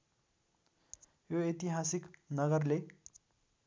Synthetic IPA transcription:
joet̪iɦasiknʌɡʌrle

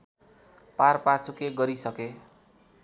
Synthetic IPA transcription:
parpat͡sʰukeɡʌɾisʌke

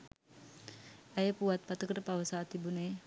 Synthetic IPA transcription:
əjəpuʋat̪̚pat̪əkəɾəpaʋəsaːt̪ibuneː

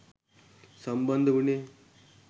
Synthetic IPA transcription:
səmbənd̪ʱbune

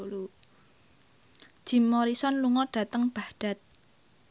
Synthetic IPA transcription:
lu | d̥ʒ̥i̤mːɔɾisɔnluŋɔd̥ä̤t̪əŋb̥a̤hɖ̥a̤t̪̚

